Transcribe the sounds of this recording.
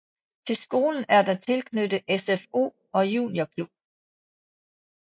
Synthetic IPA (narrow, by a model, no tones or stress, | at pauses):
t͡sʰe̝lsɡ̥o̝ːln̩æɐd̥ɑ̈t͡sʰe̝lkʰnød̥ðʔesefo̝̰ː | ɒ̽jṵːnjokʰlub̥